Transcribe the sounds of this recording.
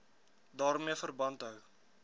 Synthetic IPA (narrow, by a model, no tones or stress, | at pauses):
dɑːrmiəfərbɐntɦəw